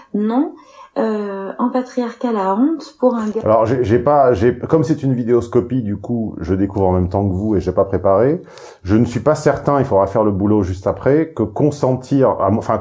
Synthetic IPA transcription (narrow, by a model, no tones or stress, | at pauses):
nɔ̃ | øɑ̃pat̪χijaʁkʲalaɔ̃t̪puʁɛ̃a̰lɔʁʒɛʒɛpaʒɛkɔmsɛt̪ynvid̪eɔskɔpid̪ykuʒəd̪ekuvʁɑ̃mɛmt̪ɑ̃kəvueʒɛpapχepaʁe | ʒənəsɥipasɛʁt̪ɛ̃ilfod̪ʁafɛʁləbuloʒyst̪apχɛkəkɔ̃sɑ̃t̪ʰiʁa̰mɑ̃fɛ̃